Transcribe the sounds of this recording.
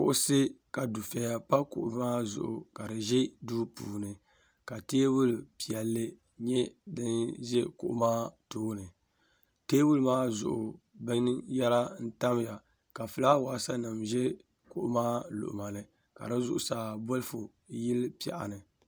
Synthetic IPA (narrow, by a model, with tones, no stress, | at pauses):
kʊ̰˨ʔʊ˦se˦ka˨du˨fɛ˨ja˦pa˦kʊ̰˨ʔʊ˨maː˦zʊ̰˨ʔʊ˨ka˨dɨ˨ʒɛ˦duː˦puː˨nɨ˨ | ka˨teː˦wʊ˦lpi˨ɛ˨lːɨ˦ | ɲɛ˦dɨ˦nʒɛ˦kʊ̰˨ʔʊ̰˦maː˦toː˦nɨ˨ | teː˦wʊ˦lmaː˦zʊ̰˨ʔʊ˨ | bɨ˦ŋja˦la˦n̩˦ta˦m˦ja˨ | ka˨fɨ˨la˦waː˨sa˦nɨ˨mʒɛ˦ | kʊ˨ʔʊ˦maː˦lʊ̰˨ʔʊ̰˨ma˨nɨ˨ | ka̰˨dɨ˦zʊ˦ʔʊ˨saː˨bo˦lfʊ˨ | jɪ˦lpi˨ɛ̰˨ʔa̰˨nɨ˨